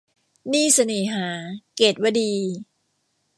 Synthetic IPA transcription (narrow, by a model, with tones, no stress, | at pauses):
niː˥˩sa˧nɯː˨˩˦ɦaː˩˦keː˨˩t̪̚wa˧diː˧